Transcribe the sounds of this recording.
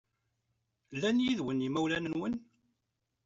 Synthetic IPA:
lːænjiðwənimæwlænənwən

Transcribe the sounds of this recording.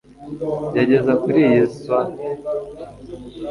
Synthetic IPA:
jaɟe̞zakuɾijesuane

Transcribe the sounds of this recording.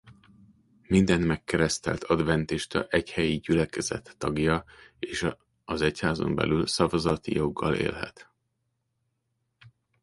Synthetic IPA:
mind̪ɛnmɛkːɛɾɛst̪ɛ̰lt̪ʰɒd̪vɛnt̪iʃt̪ɒʔɛchɛjiɟylɛkɛzɛt̪ːɒɡjɒeːʃ | ɒzɛchaːzo̞̰mbɛ̰lylsɒvɒzɒt̪ijoɡːɒlḛːlɦɛ̰t̪

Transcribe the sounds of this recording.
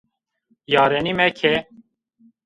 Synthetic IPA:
jɑːɾɛnimɛkʰɛ

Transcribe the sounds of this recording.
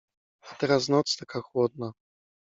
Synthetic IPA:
at̪ɛɾaznɔt̪st̪akaxwɔd̪̚na

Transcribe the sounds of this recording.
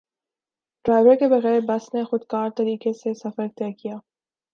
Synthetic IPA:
ɖ̥ɾaːɪʋəɾkebɐɣɛːɾbɐsnexʊd̪kaːɾt̪ɐɾiːkesesɐfəɾt̪ɛːkijaː

